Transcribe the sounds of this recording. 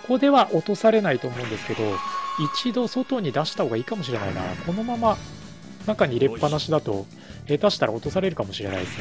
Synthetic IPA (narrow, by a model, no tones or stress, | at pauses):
ko̞d̪e̞βaʔo̞t̪o̞saɾe̞nait̪o̞ːmo̞ɯ̃nd̪e̞sɨ̥ke̞d̪o̞it͡ɕid̪o̞so̞t̪o̞ɲ̟id̪aɕi̥t̪ahoːɡaiːkamo̞ɕ̬iɾe̞na̰ina̰kʰo̞no̞mama | nakaɲ̟iɾe̞pːanaɕid̪at̪o̞̰ | ed̪aɕi̥t̪aɾa̰ot̪o̞saɾe̞ɾɯ̟kamo̞ɕiɾe̞̰na̰i